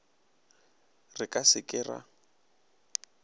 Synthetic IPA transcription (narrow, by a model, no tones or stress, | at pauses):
rɪkʼasɪkʼɪra̰